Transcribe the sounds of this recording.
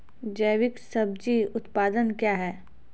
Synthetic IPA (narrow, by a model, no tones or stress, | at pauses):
d͡ʒɐːʋɪksɐb̚d͡ʒiʊt̪paːd̪ənkjaːɦɛː